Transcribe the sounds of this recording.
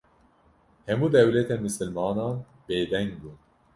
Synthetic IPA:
hɛmuːd̪ɛwlɛt̪ɛnmɨsɨlmɑːnɑːn | beːd̪ɛŋɡ̚buːn

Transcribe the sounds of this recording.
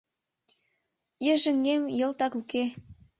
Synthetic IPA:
jə̆ʒə̆ŋɡemjɤ̆lt̪ɑkuke

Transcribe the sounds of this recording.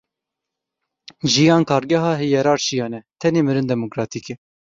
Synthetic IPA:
ʒijɑːnkʰɑːɾɡɛɦɑːɦɨjɛɾɑːɾʃijɑːnɛt̪ʰɛneːmɨɾɨnd̪ɛmokɾɑːt̪ʰikɛ

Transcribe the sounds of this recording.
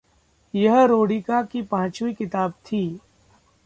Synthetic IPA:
jɐɦɾoːɽikakipãːt͡ʃuikɪt̪aːb̚t̪ʰiː

